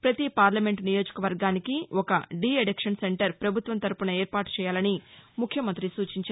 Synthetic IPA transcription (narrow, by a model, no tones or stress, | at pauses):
pɾɐt̪ipaːɾlɐme̞ɳʈnijo̞ːd͡ʒɐ̥kɐʋɐɾɡaːnikiʔɔkɐɖiːeɽekʂɐnse̞ɳʈɐɾpɾɐbʱut̪ʋɐnt̪ɐɾupunɐeːɾpaːʈt͡ʃɛːjaːlɐnimukʰjɐmɐnt̪ɾisuːt͡ʃiɲt͡ʃː